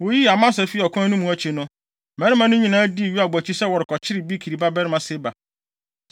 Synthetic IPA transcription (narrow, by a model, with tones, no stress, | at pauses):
wo˨ji˦a˨mã˦sɛ˨fi˦˨ɔ˨kʰɔ̃˦nʊ̃˦mũ˨˦æ˦t͡ɕʰi˨nʊ̃˦ | mɛ˦ɾɪ˦mã˦nʊ̃˦ɲĩ˨nãː˦di˦˨ɥi˦a˨bæ˨t͡ɕʰi˦sɛ˦wɔ˨ɾɪ˨kʰɔ˨t͡ɕʰɪ˦ɾɪ˨bi˦kʰi˨ɾi˨ba˦bɛ˦ɾɪ˦mã˨sɪ˦ba˨